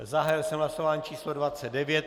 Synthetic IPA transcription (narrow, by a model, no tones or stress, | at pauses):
zaɦaːjɛlsɛmɦlasovaːɲit͡ʃiːslodvat͡sɛd̪̚dɛvjɛt̪